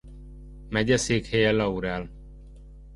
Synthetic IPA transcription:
mɛɟɛseːkhejɛlːɒuɾɛl

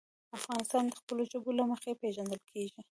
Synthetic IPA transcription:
afɣɑnɪst̪ɑnd̪əxpəloʒobolaməxepeʒand̪əlkʰeʒi

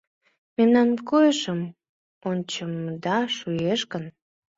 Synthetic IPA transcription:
memnɑnkojəʃəm | onʲt͡ɕəmd̪ɑʃujeʃkən

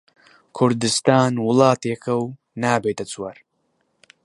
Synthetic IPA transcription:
kʰʊɾd̪ɨst̪aːnwʊlɑːt̪eːkʰɐw | naːbeːt̪ɐt͡sʼwɐɾ

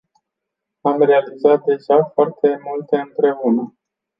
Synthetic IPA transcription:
amre̞alizat̪̚d̪e̞ʒafoart̪ʰe̞mult̪e̞ɨnpɾe̞unə

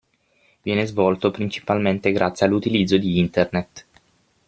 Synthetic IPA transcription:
vjɛːnezvɔlt̪opɾint͡ʃi̥palment̪eɡɾʔa̰t̪sːjalːut̪ilid̪zːod̪iint̪ernet̪

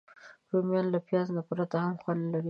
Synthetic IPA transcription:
ɾomjɑnlapjɑznapɾat̪ahamxwand̪laɾi

